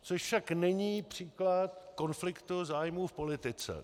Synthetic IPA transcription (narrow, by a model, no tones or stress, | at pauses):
t͡soʃfʃaknɛɲiːpr̝̥iːklat̪̚ko̞nflɪkt̪uzaːjmuːfpo̞lɪt̪ɪt͡sɛ̰